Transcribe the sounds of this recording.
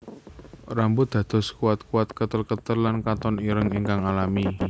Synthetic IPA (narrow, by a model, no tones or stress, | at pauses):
ɾambʊd̪̥ä̤d̪̥ɔ̤skuat̪̚kuat̪̚kət̪əlkət̪ərlankat̪ɔniɾəŋiŋkaŋalami